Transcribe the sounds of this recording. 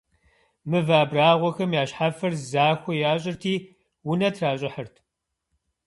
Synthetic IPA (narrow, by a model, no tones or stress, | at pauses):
mɨvaːbraːʁʷɔxɐmjaːɕħafɐrzaːxʷɔjaːɕʼɪrtʰiː | wʊnɐtʰraːɕʼɪħərtʰ